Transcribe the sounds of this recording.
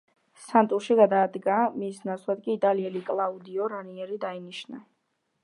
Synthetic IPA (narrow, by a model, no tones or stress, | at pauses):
sant̪ʼuʃiɡad̪aːd̪ɡamisnat̪sʰlˠad̪kʼiːt̪ʼaliɛlikʼlˠaud̪iɔɾaniɛɾid̪ainiʃna